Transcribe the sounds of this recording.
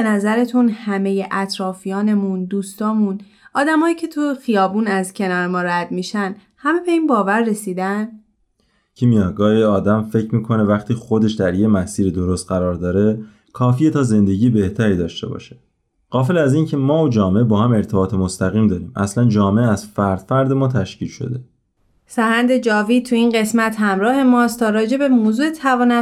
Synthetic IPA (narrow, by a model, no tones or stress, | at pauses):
enæzæɾe̞t̪ʰunhæme̞je̞ʔæt̪ʰɾɒːfijɒːne̞mund̪uːst̪ɒːmun | ɒːd̪æmɒːjiːcʰe̞t̪ʰoxijɒːbuːnæzcʰe̞nɒːɾemɒːɾæd̪miːʃæn | hæme̞be̞iːnbɒːvæɾːe̞siːd̪æn | cʰimijɒɡɒːjiɒːd̪æmfe̞cʰɾmiːkʰo̞nevæχt̪ʰiːxo̞d̪e̞ʃd̪æɾjemæsiːɾid̪oɾost̪̚ɢæɾɒːɾd̪ɒːɾe̞ | kʰɒːfijet̪ʰɒːze̞nd̪e̞ɟiːjebe̞ht̪ʰæɾiːd̪ɒːʃt̪e̞bɒ̰ːʃe̥ | ɢ̥ɒːfelæziːncʰe̞mɒːod͡ʒɒːmeebɒːhæme̞ɾt̪ʰe̞bɒːt̪ʰemo̞st̪ʰæɣiːmd̪ɒːɾiːmʔæ̰slænd͡ʒɒːmeʔæz̥fæɾd̪̥fæɾd̪e̞mɒːt̪ʰæʃciːlʃo̰d̪e̞ | sæhænd̪e̞d͡ʒɒːviːt̪ʰuinɢe̞smæt̪ʰhæmɾɒːhe̞mɒːst̪ʰɒːɾɒːd͡ʒe̞bemoːzuːe̞t̪ʰævɒːnæ